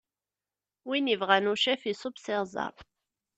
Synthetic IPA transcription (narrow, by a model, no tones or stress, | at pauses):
winəvʁænuʃæfisˤobsɪʁzˤɑ̰ɾˤ